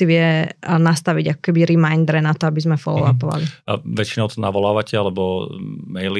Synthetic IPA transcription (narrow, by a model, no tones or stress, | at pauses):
iʋɪɛnast̪aʋiɟakɔ̥kɛbiɾimajnd̪ɾɛnat̪ɔabizmɛfɔ̰lɔʋapɔʋa̰liʋɛt͡ʃinɔʊt̪ɔnaʋɔlaːʋacɛalɛbɔmɛjli